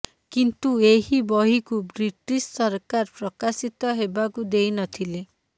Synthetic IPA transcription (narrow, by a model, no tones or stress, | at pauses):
kint̪ueɦibɔɦikubɾiʈissɔɾkaɾpɾɔkasit̪ɔɦebakud̪ejnɔt̪ʰile